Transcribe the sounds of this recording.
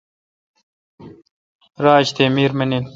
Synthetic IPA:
ɾaːɕt̪eːmiːɾmɐnil

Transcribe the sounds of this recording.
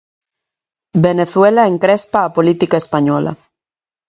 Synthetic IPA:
beneθwelaeŋkɾespaːpolit̪ikaespaɲɔla̰

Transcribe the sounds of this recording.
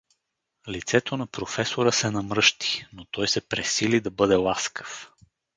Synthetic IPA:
lit̪sɛt̪onɐpɾofɛsoɾəsɛnɐmɾɤʃt̪i̥not̪ɔjsɛpɾɛsilid̪ɐbɤd̪ɛlˠaskə̥f

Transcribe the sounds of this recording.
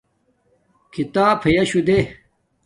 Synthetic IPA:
kʰit̪aːpʰɐjɐɕud̪e

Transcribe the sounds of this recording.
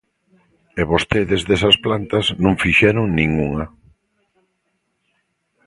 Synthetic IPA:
eβost̪eðezðesɐsplant̪ɐznõŋfiʃɛɾʊŋnĩŋuŋa

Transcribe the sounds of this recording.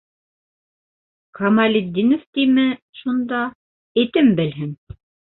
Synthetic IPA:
kʰɐmɑlʲid̪ʲːinoft̪imɘ | ʃund̪ɑ | ɘ̆t̪ɘmbɘ̆lɦɘŋ

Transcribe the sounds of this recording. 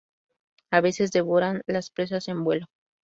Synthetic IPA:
aβe̞se̞zd̪e̞β̞o̞ɾanlaspɾe̞s̬ase̞mbwe̞lo̞

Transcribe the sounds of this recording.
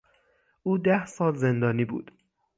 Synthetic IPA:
ʔuːd̪æhsɒːlze̞nd̪ɒːniːbṵːd̪̥

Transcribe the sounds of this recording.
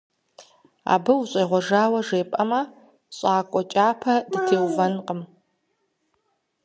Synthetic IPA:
a̰ːbɨwuɕʼejʁʷɔʒaːwɐʐeːpʼɐmɐ | ɕʼaːkʷʼɔt͡ʃʼaːpʰɐdɨtʰeːwvɐnqʼəm

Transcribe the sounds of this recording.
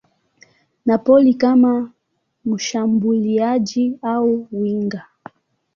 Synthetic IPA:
napɔlikama | m̩ʃambuliad͡ʒiauwiŋɡa

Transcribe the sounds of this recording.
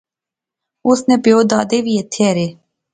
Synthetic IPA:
osnɛpeod̪ɑːd̪eʋijɛt̪ʰɛɾe

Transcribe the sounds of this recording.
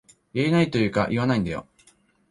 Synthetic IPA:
jaɾʲinait̪o̞jɯ̟ːka̰ʔiβanaĩnd̪ajo̰

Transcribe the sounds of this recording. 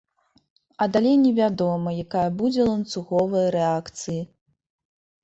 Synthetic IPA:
ɐd̪alʲejnʲɛvʲad̪ɔmɐjakajɐbud͡zʲɛlˠɐnt̪suɣɔvɨjɐɾɛakt̪sɨji

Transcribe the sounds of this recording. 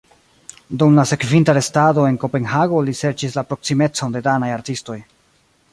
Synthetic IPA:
dumlase̞kvintaɾe̞stado̞e̞nko̞pe̞nhaɡo̞lise̞ɾt͡ʃislapɾo̞ksime̞t͡so̞nde̞danajaɾtisto̞j

